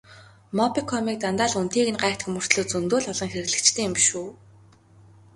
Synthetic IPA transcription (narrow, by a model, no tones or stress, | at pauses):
mɔpikʰːɔmiːk̚t̪ant̪aːɮun̥t̪iːɣɘ̆nɢæːkt̪xɵmɵ̆r̥t̪ɮɵ̆ːt͡sɵnt̪oːɮɔɮɞ̆ŋxeɾɘ̆ɣɮɘ̆kt͡ɕt̪ʰeːɪmʃuː